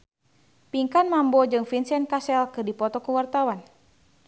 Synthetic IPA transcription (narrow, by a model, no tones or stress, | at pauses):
piŋkanmambɔd͡ʒɨŋfinsɛnkasɛlkɨrdipɔt̪ɔkuwart̪awan